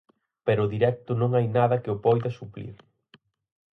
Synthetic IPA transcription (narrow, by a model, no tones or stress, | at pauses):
pɛɾʊðiɾɛk̚t̪ʊnõŋajnaðɐkɪʊpɔjðɐsuplḭɾ